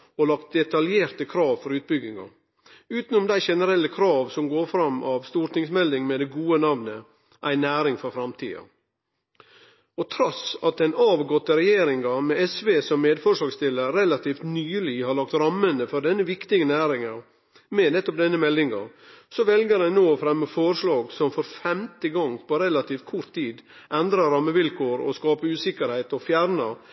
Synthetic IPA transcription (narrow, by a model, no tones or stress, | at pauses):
ɔlɑk̚t̪̚d̪ɛt̪ɑljeːɾt̪əkʰɾɑːʋfɔɾʉːt̪̚bʏɡɪŋɑ̰ | ʉːt̪n̩ʊmd̪æɪʃɛnəɾɛlːəkʰɾɑːʋsɔmɡoːɾfɾɑmʔɑʋst̪uːɾʈ̪ɪŋsmɛld̪ɪŋmɛd̪ɛɡuːənɑʋnə | ʔæɪnæːɾɪŋfɔɾfɾɑmt̪ʰḭːɑ̰ | ɔt̪ʰɾɔsɑt̪̚d̪ɛnɑːʋɡɔt̪ːəɾɛjeːɾɪŋɑmɛɛsʋeːsɔmːeːd̪fɔʂɭɑːɡst̪ʰɪlːəɾɾɛlɑt̪ʰiːft̪nyːlɪhɑɾɭɑkt̪ɾɑmːənəfɔɾɖɛnːəʋɪkt̪ɪɡənæːɾɪŋɑɾ | mɛnɛt̪ːɔp̚d̪ɛnːəmɛlːɪŋɑ̰ | sɔʋɛlɡəɾæɪnoːɔfɾɛmːəfɔɾʂɭɑːɡsɔmfɔɾfɛmt̪əɡɔŋpɔɾɛlɑt̪ʰiːfkʰʊɾt̪ʰːiːd̪ʔɛnd̪ɾɑɾɑmːəʋɪlkʰoːɾɔ̰skɑːpəʉːsɪkːəɾhæɪt̪ɔfjæɾnɑ